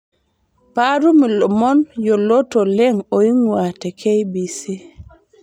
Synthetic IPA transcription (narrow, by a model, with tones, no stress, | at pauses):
pa˦ɾu˦mi˨lɔ˨mɔ˦njo˨lo˦to˨le˦ŋo˨i˦ŋwa˨tɛ˨kʰe˦jbi˨si˦